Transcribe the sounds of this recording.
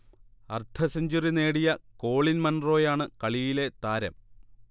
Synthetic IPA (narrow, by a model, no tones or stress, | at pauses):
ɐ̰rt̪ʰɐsɐɲd͡ʑurine̞ːɽijɐko̞ːɭinmɐnro̞ːjaːɳɨkɐɭijile̞t̪aːɾɐ̰m